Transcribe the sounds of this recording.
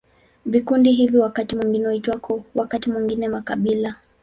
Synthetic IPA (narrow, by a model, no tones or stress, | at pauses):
vikundiɦiviwakatimwiŋɡinɛhitwakʰɔwakatimwiŋɡinɛmakaɓila